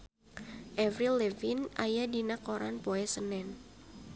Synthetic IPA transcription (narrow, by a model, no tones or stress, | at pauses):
ʔɛvɾilɛvinʔajadinakoɾa̰npoɛsənɛn